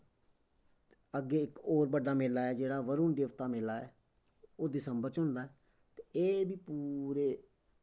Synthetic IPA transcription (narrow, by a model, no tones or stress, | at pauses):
əɡːeːɪkoːɾbəɖaːmɪeːlaːɛːd͡ʒeːɽaːʋəɾuːnd̪eːʋt̪aːmɪlaːɛ̰ː | oːd̪ɪsəmbəɾt͡ʃɦʊ̃nd̪aːɛː | t̪eeːbiːpuːɾeː